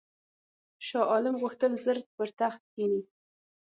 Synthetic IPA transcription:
ʃɑʔɑlɪmɣuxt̪əlzəɾt̪̚pəɾt̪axt̪̚kini

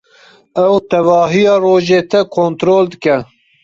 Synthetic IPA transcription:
ɛwt̪ɛvɑːɦijɑːroːʒeːt̪ʰɛkʰont̪ɾoːld̪ɨkɛ

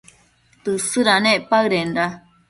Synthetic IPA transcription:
t̪ɨsɨɾanẽʔpaɯɾenɾa

